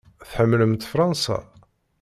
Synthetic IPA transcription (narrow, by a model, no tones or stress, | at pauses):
θħəmːləmt̪fɾˤɑnsɑ̰